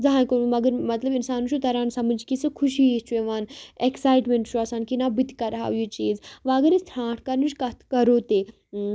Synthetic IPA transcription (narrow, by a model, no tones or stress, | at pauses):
d͡zɐɦãːkomɐɡəɾmɐt̪lɐbinsaːnuʃut̪ɐɾaːnsɐmɐd͡ʒkisɨkʰuʃiist͡ʃʰuẽʋaːneksaːjʈmẽɳʈʃʰuɐsaːnkinaːbit̪kɐɾɦa̰ːjit͡ʃiːzʋaːɡɐɾist̪ʰɾãːʈʰkɐɾnɨt͡ʃʰkɐt̪ʰkɐɾoːt̪eː